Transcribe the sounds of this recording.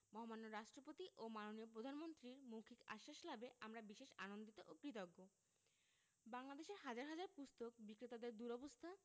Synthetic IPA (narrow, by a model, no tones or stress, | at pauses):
mɔɦomanːoɾaʃʈɾopot̪iʔomanoniopɾod̪ʱanmont̪ɾiɾmokʰika̰ʃːaʃlabeʔamɾabiʃeʃanond̪it̪oʔopɾit̪̬ɔɡːo | baŋlad̪eʃeɾɦad͡ʑaɾɦad͡ʑaɾpust̪ok̚bikɾit̪ad̪eɾd̪uɾɔbost̪ʰa